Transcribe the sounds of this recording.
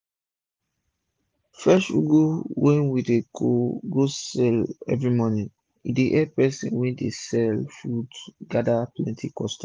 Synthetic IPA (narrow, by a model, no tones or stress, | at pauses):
fɛsṵɡowɛ̃nwideɡoɡosɛlɛ̰vɹimɔnĩ | ideʔɛpɛsḭ̃nwɛ̃desɛlfudɡadaplɛ̃ntʰikɔstḁ